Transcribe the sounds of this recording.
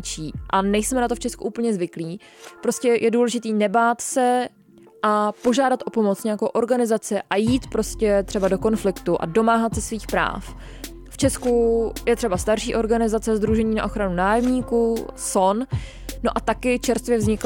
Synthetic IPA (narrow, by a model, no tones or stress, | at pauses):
t͡ʃiːʔanɛjsmɛnat̪oft͡ʃɛskṵʔuːpl̩ɲɛzvɪkliː | pɾo̞scɛjʔɛduːlɛʒɪt̪iːnɛbaːt̪sɛ | ʔapo̞ʒaːdat̪ʔo̞po̞mo̞t͡sɲejakowʔo̞ɾɡanɪzat͡sɪʔajiːt̪pɾo̞scɛt̪r̝̥ɛbado̞ko̞nflɪkt̪uʔa̰do̞maːɦat̪sɛsviːxpɾa̰ːf | ft͡ʃɛskujɛt̪r̝ɛbast̪aɾʃiːʔo̞ɾɡanɪzat͡sɛzd̪ɾuʒɛɲiːna̰ʔo̞xɾanunaːjɛmɲiːkuːso̞n | no̞ʔat̪akɪt͡ʃɛɾst̪vjɛvzɲɪk